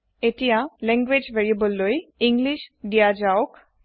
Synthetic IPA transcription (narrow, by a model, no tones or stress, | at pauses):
etijalɛ̃ŋɡwed͡ʒveɹiebɔlːojiŋɡliʃdijad͡ʒaɔk